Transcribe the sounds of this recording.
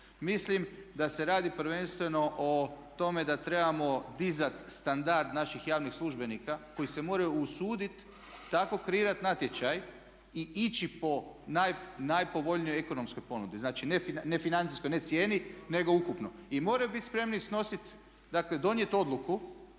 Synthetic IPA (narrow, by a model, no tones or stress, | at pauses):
mislimd̪ase̞ɾaːd̪ipɾʋe̞nst̪ʋe̞no̞ʔot̪o̞me̞d̪at̪ɾe̞bamo̞d̪izat̪st̪and̪aɾd̪naʃixjaːʋnixslˠuʒbe̞nikako̞jise̞mo̞ːɾajuusuːd̪it̪ː | ako̞kɾeiːɾat̪nat̪je̞t͡ɕaj | iʔit͡ʃipo̞najnajpo̞ʋo̞ʎnijojeko̞no̞msko̞jpo̞nud̪iznaːt͡ʃinefine̞finant̪siskojnet̪sje̞ːnine̞ɡo̞ukupno̞imo̞ɾajubit̪spɾe̞mnisno̞sit̪ | d̪akle̞d̪o̞nje̞t̪o̞d̪luku